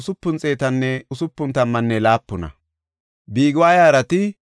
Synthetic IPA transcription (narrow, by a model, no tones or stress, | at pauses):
sʊpːʊnt͡sʼe̞ːt̪ɐnːɛʊsʊpːʊnt̪ɐmːɐnːɛlaːpːʊnɐ̰ | biːɡwaːjaːɾɐt̪ɪ